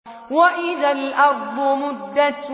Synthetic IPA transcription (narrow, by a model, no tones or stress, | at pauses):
waʔɪðalʔɑɾˤd̪ˤʊmʊd̪ːas